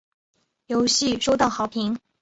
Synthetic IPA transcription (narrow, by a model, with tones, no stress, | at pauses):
jo˧˥ʊɕi˥˧ʂo˥˧ʊt̪ɑ˥˩ʊxɑ˨˥ʊpʰi˧˥ŋ